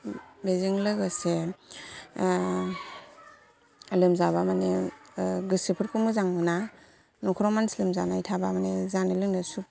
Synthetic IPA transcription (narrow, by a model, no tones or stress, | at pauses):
beziŋlɯɡɯse | lɯmzaβamane | ɡɯsipʰɯɾkʰumɯzaŋmɯna | nɔkʰɯɾɔmanslɯmzanajtʰabamanezanelɯnɯsu